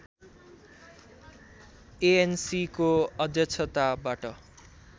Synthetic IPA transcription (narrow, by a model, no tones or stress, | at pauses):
eensikoʌd̪jʌt͡sʰʌt̪abaʈʌ